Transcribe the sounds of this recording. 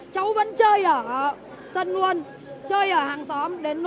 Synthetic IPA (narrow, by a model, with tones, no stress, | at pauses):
t͡ɕə˨˦wvə̰˧˥nt͡ɕəː˧jʔəː˧˩ | sə˧˩nlu˧ən | t͡ɕəː˧jʔəː˧˩haː˨˩ŋsɔ˨˦mɗe˨˦nː˧